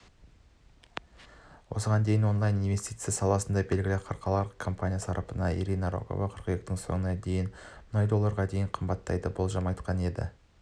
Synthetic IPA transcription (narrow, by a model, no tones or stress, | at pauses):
wʔo̞̰səʁɑnd̪e̞jɪnwo̞nlˠajninve̞st̪ijt̪sɨɪjasɑlˠɑsənd̪ɑbe̞lɡʲɪlɪqʰɑɾqʰɑlˠɑɾəqkʰo̞mpanʲijasɑɾɑpənɑḭɾʲijnaɾo̞̰ko̰vɑqʰəɾqəjek̚t̪ɪŋso̞̰ŋənɑd̪e̞jɪnmʊnɑjd̪o̞lˠːɑɾʁɑd̪e̞jɪɴqʰəmbɑt̪ːɑ̰jd̪əbolˠʒɑmɑjt̪qɑne̞d̪ɪ̰